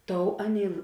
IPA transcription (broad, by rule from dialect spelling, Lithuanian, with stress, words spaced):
ˈtoːʊ ˈɑːˌnʲeːɪ